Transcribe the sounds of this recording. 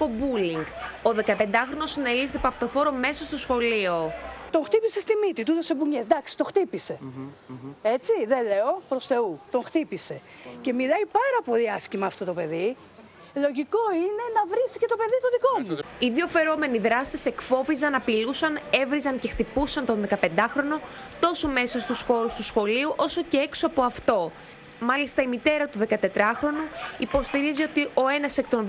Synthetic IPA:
ko̞buliŋɡo̞ðe̞kɐpe̞nd̪ɐxɾo̞no̞sine̞lifθepɐft̪o̞fo̞ɾo̞me̞sɐst̪o̞sxo̞lio̞t̪o̞ŋxt̪ipise̞st̪imit̪it̪ut̪ose̞buɲezd̪ɐksi̥t̪oxt̪ipise̞ | e̞t͡siðele̞o̞pɾo̞sθe̞ut̪o̞ŋxt̪ipise̞ | ce̞milɐipɐɾɐpo̞liɐscimɐːft̪o̞t̪o̞pe̞ði | lo̞ʝiko̞ine̞nɐvɾisicet̪o̞pe̞ðit̪oðiko̞muiðio̞fe̞ɾo̞me̞niðɾɐst̪ese̞kfo̞vizɐnɐpilusɐne̞vɾizɐɲce̞xt̪ipusɐnt̪o̞nðekɐpe̞nd̪ɐxɾo̞no̞ | t̪o̞so̞me̞sɐst̪usxo̞ɾust̪usxo̞liuʔo̞so̞ce̞e̞ksoɐpo̞ɐft̪o̞ | mɐlist̪ɐimit̪e̞ɾɐt̪uðe̞kɐt̪e̞t̪ɾɐxɾo̞nuipo̞st̪iɾizio̞t̪iʔo̞e̞nɐse̞k̚t̪on

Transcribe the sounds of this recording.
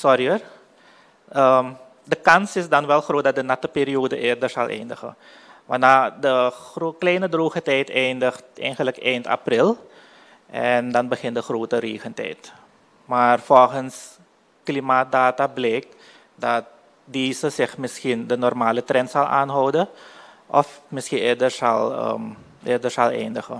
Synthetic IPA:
sɔriər | əm | dəkɑnsɪsdɑnʋɛlˠxroːt̚dɑt̚dənɑtəpiːɾioːdəʔɪːrdərsɑlˠʔɛ̰jndəxə̰ | ʋa̰nadərklɛjnədruːɣətɛjtɛjndəxtɛ̰jnχənləkɛjnta̰prɪlˠ | ʔɛndɑnbəχɪntdəxroːtəreːɣəntɛ̰jt | maːrfɔlˠχəns | klimaːt̚daːtablɛːk̚t | dɑt̚ | diːsəsɪxmɪsxindənɔrmaːlətrɛntsɑlˠʔa̰ːnɦɔwdə | ʔɔfmɪsxinɪːɹdərsɑ̰lˠə̰m | ʔɪːrdərsɑlˠɛ̰ːndəɣə

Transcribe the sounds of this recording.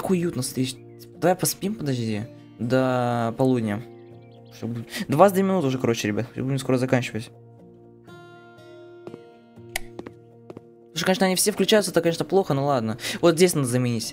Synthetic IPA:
akʊjut̪nəfst̪ɾʲet͡ɕʲ | d̪ɐvajpɐspʲimpəd̪ɐʐd̪ʲi | d̪əpɐlˠudʲnʲə | ʂt̪obud̪vasd̪ʲemɪnut̪ʊʐɛkɐɾo̞t͡ɕɪɾʲɪbʲat̪xʲbudʲɪmsko̞ɾəzɐkanʲt͡ɕɪvətʲ | uʂkɐnʲeʂnəɐnʲifsʲefklʲʉt͡ɕæjʊt̪səɛt̪əkɐnʲeʂnəplˠo̞xənolˠad̪nəvot̪zʲesʲnad̪əzəmʲɪnʲitsʲ

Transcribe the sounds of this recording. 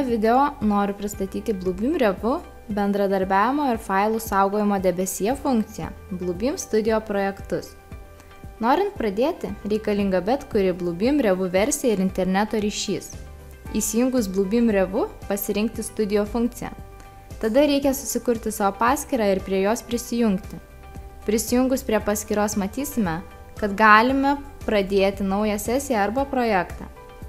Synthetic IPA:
oʋʲɪd̪ʲɛoːnoːɾʲʊpʲɾʲɪst̪ɐt̪ʲiːt̪ʲɪblˠuːbʲɪːmɾʲɛʋʊ | bʲɛnd̪ɾɐd̪ɐɾʲbʲæːʋʲɪmoːɪɾfɐˑɪlˠuːsɑˑʊɡoːjɪmoːd̪ʲɛbʲɛsʲiɛfʊŋk̚t̪sʲɪjɛ̰ | blˠuːbʲiːmst̪ʊd̪ʲɪjoːpɾoːjɛkt̪ʊs | noːɾʲɪnt̪̚pɾɐd̪ʲeːt̪ʲɪɾʲɛɪkɐlʲɪŋɡɐbʲɛt̪kʊɾʲɪblˠuːbʲɪmɾʲɛʋʊʋʲɛɾʲsʲeɪɾɪnʲt̪ʲɛɾʲnʲæt̪oːɾʲiːʃʲiːs | iːsʲɪjʊŋɡʊsblˠuːbʲɪmɾʲɛʋʊpɐsʲɪɾʲɪŋk̚t̪ʲɪst̪ʊd̪ʲɪjoːfʊŋk̚t̪sʲɪjɛ̰ː | t̪ɐd̪ɐɾʲɛɪkʲɛsʊsʲɪkʊɾʲt̪ʲɪsɑːʋoːpɑːsʲkʲiːɾɑːɪɾpʲɾʲiɛjoːspʲɾʲɪsʲɪjʊŋkt̪ʲɪ | pʲɾʲɪsʲɪjʊŋɡʊspʲɾʲiɛpɐsʲkʲiːɾoːsmɐt̪ʲiːsʲɪmʲɛ | kɐt̪ɡɑːlʲɪmʲɛpɾɐd̪ʲeːt̪ʲɪnɒʊjɛsʲæsʲɪjɛɐɾbɐpɾoːjæːkt̪ɑ̰ː

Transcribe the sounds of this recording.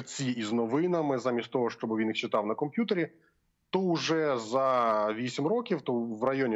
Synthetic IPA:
t͡sʲiiznɔʋɪnɐmɪzamʲist̪t̪ɔɦɔʃt͡ʃɔbɨʋʲinixt͡ʃɪt̪ɑwnɐkɔmpʲjut̪eɾʲi | t̪ɔʊʐɛzɐʋʲisʲimrɔkʲiwt̪ɔʋrɐjɔnʲ

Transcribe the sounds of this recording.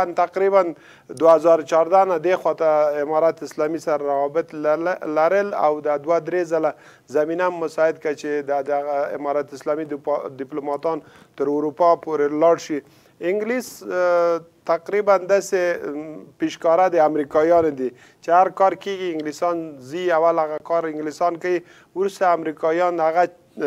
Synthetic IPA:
ant̪aqɾiban | d̪waazɑɾt͡ʃɑɾd̪anad̪exwɑt̪aɪmɑɾat̪ɪslɑmisaɾaɾawɑbɪt̪llaɾəla̰wd̪ad̪wad̪ɾezala | zaminamːʊsɑɪd̪̚kat͡ʃed̪ad̪aɣaɪ̰mɑɾat̪ɪslɑmid̪d̪ɪplumɑt̪ɑn | t̪əɾʊɾupɑpoɾelɑɽʃi | ɪŋɡlis | t̪aqɾiband̪ase | piʃkɑɾad̪əamɾikɑjɑnod̪i | t͡ʃehaɾkɑɾkeɡiɪŋɡlisɑnziawalaɣakɑɾɪŋɡlisɑnkawi | wɾust̪aːmɾikɑjɑnaɣa

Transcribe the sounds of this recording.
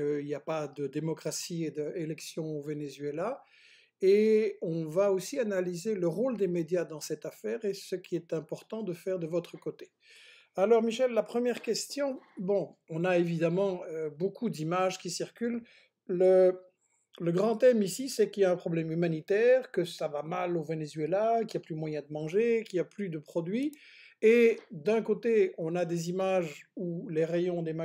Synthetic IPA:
əiljapad̪əd̪emɔkχasied̪əelɛksjɔ̃ovenezɥela | eɔ̃vaosianalizeləʁold̪emed̪jad̪ɑ̃sɛt̪afɛːʁesəkʲiɛt̪ɛ̃pɔʁt̪ɑ̃d̪əfɛʁd̪əvɔt̪χəkot̪e̥ | alɔʁmiʃɛlːapχəmjɛʁkʲɛst̪jɔ̃bɔ̃ɔ̃naevid̪amɑ̃øbokʰud̪imaʒkʲisiʁkʲyl | lə | ləɡʁɑ̃t̪ɛmisisɛkiljaɛ̃pχɔblɛmymanit̪ɛʁkəsavamalovenezɥelakiljaplymwajɛ̃d̪əmɑ̃ʒekiljaplyd̪əpχɔd̪ɥied̪ɛ̃kot̪eɔ̃nad̪ezimaʒuleʁejɔ̃d̪ema

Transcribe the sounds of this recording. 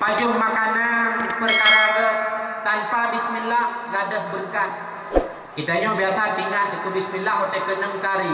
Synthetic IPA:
pad͡ʒʊhmakananpərkaɾalɔʔt̪anpadismilahradəhbərkat̪̚ | kit̪aɲɔbiasat̪iŋat̪̚ik̪ubismilaɦot̪ekənəŋkaɾi

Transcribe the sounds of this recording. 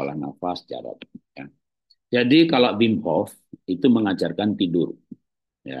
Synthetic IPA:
ala̰hna̰fasd͡ʒa̰ɾa̰t̚ja | d͡ʒadikalaʔbimhɔf | it̪uməŋat͡ʃarkant̪idʊr | ja̰

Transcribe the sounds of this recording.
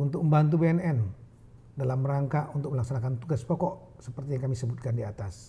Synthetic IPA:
unt̪ʊk̚məmbant̪̬ubeɛnɛn | dalamɾaŋkaʔunt̪ʊk̚məlaksanakant̪uɡaspɔkɔʔ | səpərt̪ijaŋkamisəbut̪̚kandiat̪as

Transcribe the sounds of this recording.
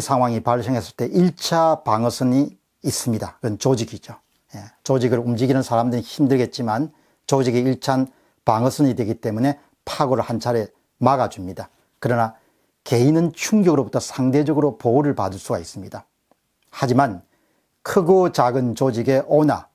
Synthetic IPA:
sʰaŋɦwaŋipaɭs͈ʰeŋɦe̞s͈ɯ̥ɭt͈e̞ʔiɭt͡ɕʰapaŋʌs͈ʰɯɲiː | s͈ɯmɲidakɯnt͡ɕod͡ʑiɡid͡ʑo | jet͡ɕod͡ʑiɡɯɾumd͡ʑiɡinɯnsʰaɾamdɯɾiçimdɯɭɡe̞t̚t͡ɕ͈iman | t͡ɕod͡ʑiɡeiɭt͡ɕʰaan | paŋʌsʰɯɲidwe̞ɡit͈e̞mune̞ | pʰaɡoɾɯɭhant͡ɕʰaɾe̞ | maɡad͡ʑumɲida | kɯɾʌna | ke̞inɯnt͡ɕʰuŋɡjʌɡɯɾobutʰʌsʰaŋde̞d͡ʑʌɡɯɾopouɾɯɭpadɯɭs͈uɡais͈ɯmɲida | had͡ʑiman | kʰɯɡot͡ɕaɡɯnt͡ɕod͡ʑiɡe̞ʔʌna̰

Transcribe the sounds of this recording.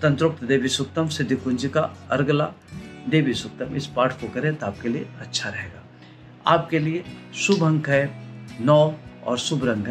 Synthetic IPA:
t̪ɐ̃nt̪ɾʊk̚t̪d̪eːbʱisʊk̚t̪ɐmsɪd̪ʱːikʊnd͡ʒikaɐɾɡla | d̪eːbisʊk̚t̪ɐmɪspaːʈʰfokɐɾẽt̪oaːp̚kelieɐtːʃʰaɾɐɦeːɡaː | aːp̚keliesʊbʱɐ̃ŋɡɦɛnɔːɔ̰ːɾsʊbɾɐ̃ŋɡ

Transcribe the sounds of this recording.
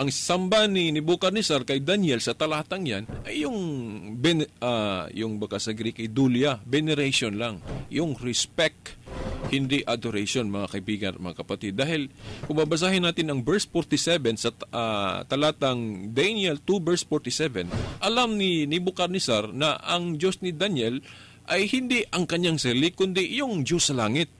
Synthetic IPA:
ʔɐŋsɐmbanɪnɪbʊkɐɾnɪsaɾkɐjd̪anjɛlsɐt̪ɐlaːt̪ɐŋja̰nʔɐjːʊŋbɛnajʊŋbɐɡasɐɡɾikɐjd̪uljɐbɛnɛɾaʃonlaŋjʊŋɾɛspɛk̚t̪hɪnd̪iʔad̪oɾejʃonmɐŋakɐʔɪbiːɡɐnʔɐ̰mɐ̰ŋakɐpɐt̪id̪̚ːaːhɪlpʊmbabɐs̬aːhɪnaːt̪ɪnɐŋbɛɹsfoɾt̪ɪsɛvɛnsɐʔat̪ɐlaːt̪ɐŋd̪ajniɛlt̪ubɛɹsfoɹt̪ɪsɛvɛnʔɐlamnɪnɪbʊkɐɾnɪsaɾnɐʔɐŋd͡ʒosnɪd̪anjɛl | ʔɐjhɪnd̪iʔɐŋkɐɲaŋsɐɾilɪkʊnd̪iʔjʊŋd͡ʒosːɐlaːŋɪt̪̚

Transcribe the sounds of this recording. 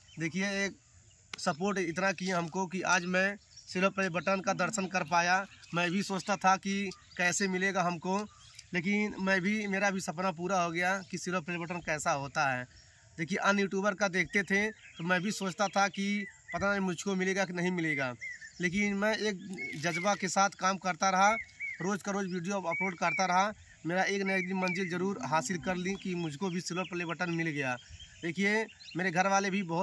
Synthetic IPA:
d̪eːkʰieeːk | səpoːɾʈɪt̪nakiẽɦəmkok̬iʔaːd͡ʒmɛ̃ | sɪlopɾebəʈənkad̪əɾʃənkəɾpaːjamɛ̃bʱisoːt͡ʃt̪at̪ʰaki | kɛːsemɪleɡaɦɐmko | leːk̬ɪnmɛ̃bʱimeːɾabʱisɐpnap̬uːɾaɦoɡɐjakisɪlopɾebəʈənkɛːsaɦoːt̪aɦɛː | d̪eːkʰieʔənjuːʈuːbəɾkad̪eːk̚ʰt̪et̪ʰẽt̪omɛ̃bʱisoːt͡ʃt̪at̪ʰakipɐt̪anemʊd͡ʒʱkomɪleːɡakinɐɦĩmɪleːɡaːleːk̬ɪnmɛ̃eːk̚d͡ʒəd͡ʒbakesaːt̪ʰkaːmkəɾt̪aɾɐɦaɾoːd͡ʒkaɾoːd͡ʒʋiːɖijoəploːɖ̚kəɾt̪aɾɐɦa | meːɾaeːknək̚d̪imə̃nd͡ʒɪld͡ʒəɾuːɾɦaːsɪlkəɾlĩkimʊd͡ʒʱkobʱisɪɾoplebəʈənmɪlɡɐjaːd̪eːkʰiemeːɾeɡʱəɾʋaːlebʱibəɦʊt̪

